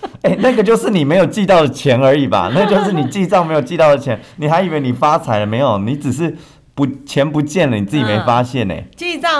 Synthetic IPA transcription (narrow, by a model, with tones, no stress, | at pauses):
e˥˩ɪna˥˩ɡə˨˩t͡ɕjo˥˧ʊʂɻ̩˥˩˨ni˨˩me˧˥ɪjo˨˩ʊt͡ɕi˥˧t̪ɑ˥˩ʊd̪ə˩t͡ɕʰjɛ˧˥nə˞˧˥i˨˩ba̰˨na˥˩ɡə˩t͡ɕjo˥˧ʊʂ̬ɻ̩˥˩ni˨˩t͡ɕi˥˧sɑ˥˩ŋme˧˥ɪjo˨˩ʊt͡ɕi˥˧t̪ɑ˥˩ʊd̪ə˨˩t͡ɕʰjɛ˧˦nni˨˩xa˧˥ɪi˨˩we˧˥ɪni˨˩fa˥t͡sʰa˧˥ɪlə˧˩me˧˥ɪjo˨˩ʊni˧˥t͡s̩˨˩ʂ̬ɻ̩˥˩ | pu˧˦˥t͡ɕʰjɛ˧˥npu˧˥t͡ɕjɛ˥˩nlə˨ni˨˩t͡sɹ̩˥˩t͡ɕi˨me˧˥ɪfa˦ɕjɛ˥˨nḛ˩t͡ɕi˥˧ɑ˥˨